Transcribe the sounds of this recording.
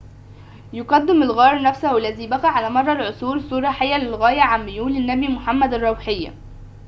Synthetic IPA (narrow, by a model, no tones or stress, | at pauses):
jʊqɑd̪ːɪmɪlɣɑːɾˤnæfsahælːæziːbæqæʕalæːmɑrˤːɑlʕʊsˤuːɾsˤuːɾˤɑħajːælɪlɣæːjæʕamːɪjuːlɪnːæbimʊħamːæd̪ɑrˤːɑwħɪjːa̰